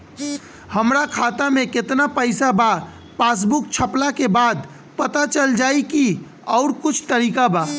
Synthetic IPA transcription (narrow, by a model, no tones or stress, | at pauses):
həmɾakʰaːt̪amẽkɪt̪napəɪsaba | pas̬bʊk̚t͡ʃʰəplakebaːd̪ | pət̪at͡ʃəld͡ʒaːiki | ɔʊɾkʊt͡ʃʰt̪əɾiːkaba